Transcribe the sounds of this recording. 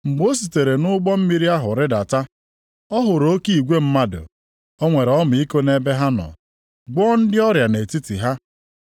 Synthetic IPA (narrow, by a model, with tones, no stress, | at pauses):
ŋ͡m̩˨ɡ͡bo˦si˨te˨ɾe˨nʊ˦ɡ͡bɔ˦m̩˦mi˦ɾi˦a˦ɦʊ˨ɾɪ˦da˨ta˦ | ɔ˦ɦʊ˨ɾo˦ki˦i˨ɡʷe˦m̩˦ma˦dʊ̰˨ | o˦ŋʷe˨ɾɔ˦m˨i˦ko˦ne˦be˦ɦa˦nɔ̰˨ | ɡ͡bɔː˦n̩˦dɪ˦ɔ˦ɾja˨ne˨ti˦ti˨ɦa˦